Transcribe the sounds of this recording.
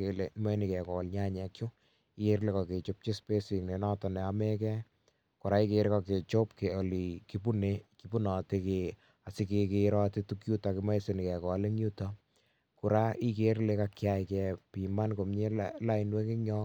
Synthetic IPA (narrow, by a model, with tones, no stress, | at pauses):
e˨le˨˦mɔ˦ni˨kɛ˨kɔ˨lɲa˦ɲɛ˨kt͡ʃu˦ | i˦ke˦ɾle˦kɔ˨ke˨t͡ʃo˦p̚t͡ʃe˦spe˦si˨ŋne˨nɔ˦tɔ˨nɛ˨a˧me˦kɛ˦ | ko˨ɾa˦i˦ke˧ɾkɔ˧ke˨t͡ʃo˦pke˨o˨li˨ki˦p̬u˦neki˨pu˦nɔ˨ti˦ke˨ | a˨sɪ˦ke˧ke˦ɾɔ˦ti˦tukju˦ta˨kɪ˧ma˦ise˨ni˨kɛ˨kɔ˨le˦ŋju˦ta˦ | ku˨ɾa˦i˦ke˦ɾle˦ka˧kja˦ɪkɛ˨pi˨ma˦nko˨mɲe˦lla˦inwe˦kɪ˦ɲɔ˦